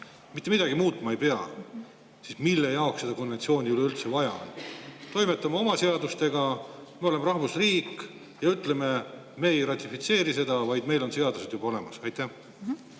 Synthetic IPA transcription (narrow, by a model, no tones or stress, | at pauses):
mit̪ˑːmid̥̪ɑɡ̥imuːt̪ˑmɑe̞jpe̞ɑ | sismilːejɑokse̞d̪ɑko̞nve̞nt̪sio̞ːnʲiyleylt̪se̞vɑjɑ̰nt̪o̞jme̞t̪ːˑɑmɑo̞mɑse̞ɑd̪ust̪e̞ɡ̥ɑmeo̞le̞meɾɑhvusriːk | jɑyt̪ˑle̞me̞ | me̞ːjrɑt̪ʲːˑifit̪se̞ːɾise̞d̪̥ɑvɑjd̪me̞jlo̞nse̞ɑd̪use̞d̪jub̥ɑo̞le̞mɑsɑjt̪ːˑæh